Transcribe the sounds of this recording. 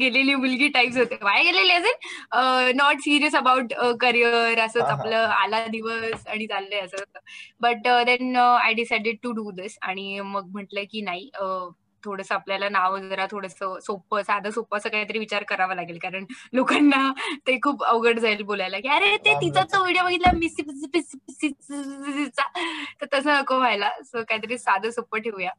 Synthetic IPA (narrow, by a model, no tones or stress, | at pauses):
ɡeleliːmulɡiːʈaipsɦot̪eʋajɡeleleəsənənɔʈsiɾiəsəbauʈəkəɾijəɾəsəːt͡sapləːalad̪iʋəsaɽ̃it͡salːəəsəot̪əbəʈəd̪ɛnəajɖisajɖəɖ̚ʈuɖud̪isa̰ɽ̃iməɡ̚m̤əʈləkiːnaɦiːə | t̪ʰoɽəsəapljalanaʋd͡zəɾat̪ʰoɽəsəsopəsad̪ʱəsopasəːkait̪əɾiːʋit͡ɕaɾkəɾaʋalaɡelkaɾəɳlokanːat̪ekʰuːpəʋɡəʈd͡zʱaelbolajlakiaɾet̪et̪it̪ʰat͡səʋeɽjoʋəɡit̪lamispispsisit͡sat̪əɾt̪əsənəkoʋʱajlasəkajit̪əɾiːsad̪ʱəsopəɾʈʰeʋja